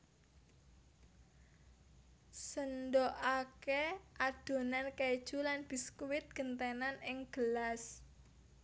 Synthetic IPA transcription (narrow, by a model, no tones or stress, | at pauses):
səndoʔakeʔad̪̥o̤nanked̥ʒ̥ulanb̥i̤skuwɪt̪̚ɡ̥ənt̪enanɪŋɡ̥əlas